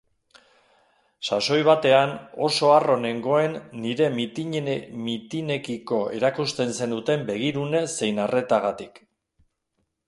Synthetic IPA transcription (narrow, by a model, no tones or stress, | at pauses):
saso̞jβ̞at̪e̞ano̞̰so̞aro̞ne̞ŋɡo̞e̞nːiɾe̞mit̪iɲmit̪ine̞kiko̞e̞ɾakust̪e̞nse̞nd̪ut̪e̞mbe̞ɣ̞iɾune̞se̞jnare̞t̪aɣ̞at̪ik